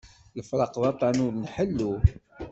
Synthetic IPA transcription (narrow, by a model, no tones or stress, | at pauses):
jəfɾˤɑqðˤɑt̪ˤːɑnʊɾnħəlːu